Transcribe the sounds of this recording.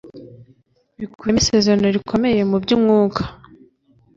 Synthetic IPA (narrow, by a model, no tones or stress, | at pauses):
βikuemisezanoɾikʰo̞me̞je̞mubɟumŋuːkʰḁ